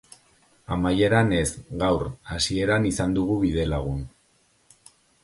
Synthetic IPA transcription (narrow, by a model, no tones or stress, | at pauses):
amaje̞ɾane̞zɣawɾasie̞ɾanisand̪uɣ̞uβiðe̞laɣ̞un